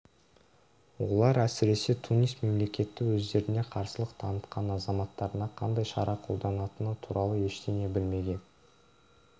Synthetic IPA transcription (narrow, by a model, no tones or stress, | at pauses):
wo̞̰lˠɑɾæsɪɾe̞se̞t̪ʰunijst̪me̞mle̞kʲe̞t̪ːɪwɵzd̪e̞ɾɪne̞qʰɑɾsəlˠəqt̪ʰɑnət̪qʰɑnɑzɑmɑt̪ːɑɾənɑqʰɑnd̪ɑjʃɑ̰ɾʔɑqʰo̞lˠd̪ɑnɑt̪ənət̪ʰuɾɑlˠəe̞ʃt̪ene̞bɪlme̞ɡʲe̞n